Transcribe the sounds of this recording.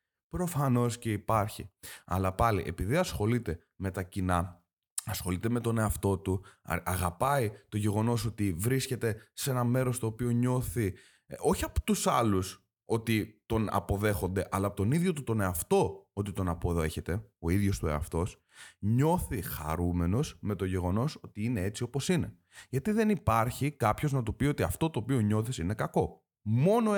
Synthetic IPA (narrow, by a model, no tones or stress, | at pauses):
pɾo̞fɐno̞sce̞ipɐɾçiɐ̰lɐpɐlḭʔe̞piðiɐsxo̞lit̪e̞ | me̞t̪ɐcinɐ | ɐsxo̞lit̪e̞me̞t̪o̞ne̞ɐft̪o̞t̪ṵɐɣɐpɐit̪oʝe̞ɣo̞no̞so̞t̪ivɾisce̞t̪e̞se̞nɐme̞ɾo̞st̪o̞ːpio̞ɲo̞θi | o̞çiɐpo̥t̪usɐlus | o̞t̪it̪o̞nɐ̰po̞ðe̞xo̞nd̪e̞ʔɐlɐːpot̪o̞niðʝo̞t̪ut̪o̞neɐft̪o̞ot̪it̪o̞nɐpo̞ðe̞çe̞t̪e̞o̞iðʝo̞st̪ue̞̰ɐ̰ft̪o̞s | ɲo̞θixɐ̰ɾume̞no̞zme̞t̪o̞ʝe̞ɣo̞no̞so̞t̪iine̞e̞t͡sio̞posine̞ | ʝɐt̪iðe̞nipɐɾçikɐpçoznɐt̪upio̞t̪iɐ̰ft̪o̞t̪o̞ːpio̞ɲo̞θisine̞kɐko̞ | mo̞no